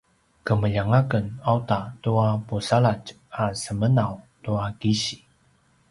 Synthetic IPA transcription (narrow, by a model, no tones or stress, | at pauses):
kəməʎaŋakənawtatuapusaɭat͡ʃ | asəmənawtuakiɕi̥